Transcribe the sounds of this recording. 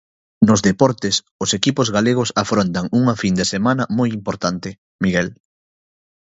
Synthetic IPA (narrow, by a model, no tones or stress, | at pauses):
nʊzðepɔɾt̪ɪs | ʊsekipʊzɣaleɣ̞ʊsafɾont̪ɐŋuŋɐfind̪esemanɐmojimpoɾt̪ant̪ɪ | miɣɛl